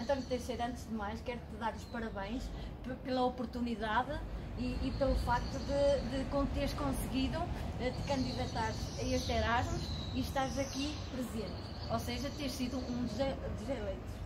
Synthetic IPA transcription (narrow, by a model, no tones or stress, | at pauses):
t̪ɐ̃ɾ̃t̪ẽj̃ʃsejɾɐ̃nt̪ʒðɨmajʃkɛɾt̪ɨðaɾuʃpɐɾɐβẽj̃ʃ | ppelˠɐopʊɾt̪uniðaðɨ | iːpelˠufak̚t̪uðɨðɨkõt̪eɾʃkõsɨɣiðuɛt̪ɨ̥kɐ̃nd̪iðɐt̪aɾɐeʃt̪ɛɾaʒmuʃiʃt̪azɐki | pɾɨzẽnt̪ɨ | oseʒɐt̪eɾʃsiðuũd̪ʒd̪ɨʒɛlˠẽnt̪